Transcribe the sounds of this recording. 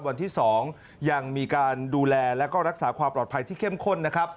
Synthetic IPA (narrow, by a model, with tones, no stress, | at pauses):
wa˧nt̪ʰiː˥˩sɔː˩˦ŋ | ja˧ŋmiː˧kaː˧nduː˧lɛː˧lɛ˦˥kɔː˥˩ɾa˦˥k̚saː˩˦˥kʰwaː˧mplɔː˨˩t̪pʰa˧jt̪ʰiː˥˩kʰe˥˩mkʰo˥˩nːa˦˥kʰɾa˦˥p̚